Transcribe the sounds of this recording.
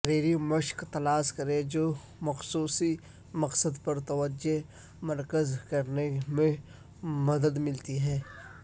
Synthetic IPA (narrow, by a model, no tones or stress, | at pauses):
ɾeːɾiməʃkt̪ɐlaːskɐɾẽd͡ʒoː | mɐxsuːsi | mɐqsəd̪pɐɾt̪ɐwəd͡ʒe | mɐɾkəzkɐɾnemẽ | mɐd̪əd̪mɪlt̪iɦɛ̃ː